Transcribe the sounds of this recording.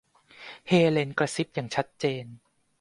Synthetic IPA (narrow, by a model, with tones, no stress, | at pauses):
heː˧le˧nkɾa˧si˦˥p̚jaː˨˩ŋt͡ɕʰa˦˥t̪̚t͡ɕeː˧n